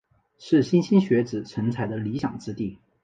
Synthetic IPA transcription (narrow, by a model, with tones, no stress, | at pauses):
ʂɻ̩˥˩ɕi˥nɕi˥nɕɥɛ˧˥t͡sɹ̩˨˩ʈ͡ʂʰə˧˥ŋt͡sʰa˧˥ɪd̪ə˧li˧˥ɕjɑ̰˨˩ŋʈ͡ʂɻ̩˥t̪i˥˩